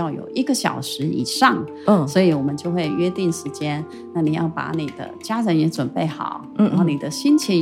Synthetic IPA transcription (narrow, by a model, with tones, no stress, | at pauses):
jɑ˥˩ʊjo̰˨˩ʊi˥˩ɡə˧ɕjɑ̰˨˩ʊʂɻ̩˧˥ḭ˨˩ʂɑ˥˩ŋ˩ | swɔ˧˥i˧˥wɔ˨˩mə˦nt͡ɕjo˥˧ʊxwe˥˩ɪɥɛ˥t̪i˥˩nʂɻ̩˧˥t͡ɕjɛ˥n | na˥˩ni˨˩jɑ̰˥˩ʊpa̰˧˥ni˨˩d̪̥ə̰˦t͡ɕja˥ɻə˧˥njɛ˧˥ʈ͡ʂwə˨˩npe˥˩ɪxɑ̰˨˩˦ʊ˥ɑ˥˩ni˨˩d̪ə˦ɕi˥nt͡ɕʰi˧˥